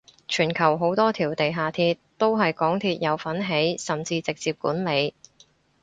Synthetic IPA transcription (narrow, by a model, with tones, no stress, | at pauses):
t͡ʃʰyː˨˩nkʰɐ˨˩wɦo˨˥wt̪ɔː˥t̪ʰiː˨˩wt̪e˨jɦaː˨t̪ʰiː˧t̪t̪o˥wɦɐ˨jkɔː˨˥ŋt̪ʰiː˧t̚jɐ˨˧wfɐ˨˥nɦe˨˥jsɐ˨mt͡siː˧t͡sɪ˨k̚t͡siː˧p̚kṵː˨˥nle˨˧j